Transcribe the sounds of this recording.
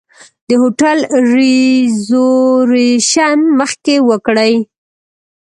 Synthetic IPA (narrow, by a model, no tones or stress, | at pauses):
d̪əhoʈalɾizoɾeʃanməxkewəkɽəj